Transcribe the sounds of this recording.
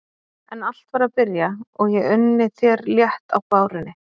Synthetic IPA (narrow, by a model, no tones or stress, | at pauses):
ɛnal̥t̪vaɾaðpɪɾjaɔɣjɛʏnːɪθjɛɾljɛht̪awpaːwɾɪnːɪ